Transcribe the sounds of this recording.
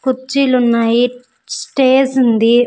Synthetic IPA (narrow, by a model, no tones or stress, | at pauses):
kuɾt͡ʃːiːlunːaːji | sʈeːd͡ʒund̪i